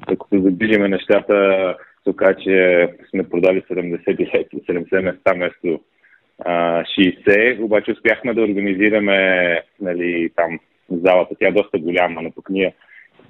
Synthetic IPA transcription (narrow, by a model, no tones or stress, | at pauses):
ɐkə̥t̪od̪ɐd̪iʒimɛnɛʃt̪at̪ət̪okat͡ʃɛsmɛpɾod̪alisɛd̪ɛmd̪ɛsɛt̪ilɛkisɛd̪ɛmd̪ɛsɛmɛst̪amɛst̪o | əʃiːsɛobat͡ʃɛʊspʲjaxmɛd̪ɐʊɾɡɐniziɾɐmɛnɐlit̪am | zalˠət̪ət̪ʲjaɛd̪ɔst̪əɡolʲamənɐpə̥kniɛ